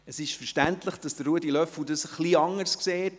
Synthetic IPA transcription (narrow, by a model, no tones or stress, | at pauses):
əsɪʃfəɾʃtæntləχd̥ɑsd̥əːuədilœfudɑsχliɑŋəɾskseːt